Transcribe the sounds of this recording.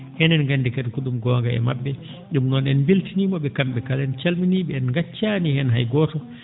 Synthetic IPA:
hɛnɛnɡandɛketkuɗumɡɔːŋɡaɛ̰mabːɛ | ɗumnɔnɛnbiltinimɔɓɛkamɓɛkalɛnt͡ʃalminiɓɛɛnŋɡat͡ʃːanihɛnɦajɡɔːtɔ

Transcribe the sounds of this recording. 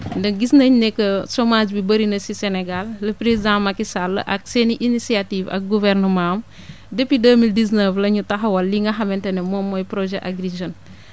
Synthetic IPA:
ndɐɡisnɐɲnɛkːəsɔmaːd͡ʒbibəɾinɐsisɛnɛɡalːɐpɾezidãmɐkːisalːə̰ʔɐk̚seniʔinisiativɐ̰k̚ɡuvɛrnəmãm | depːidəːmildisnəflɐɲutɐɦɐwɐlːiŋɡɐxɐmɛntɛnɛmɔmːɔjpɾɔʒɛʔaɡriʒɔn

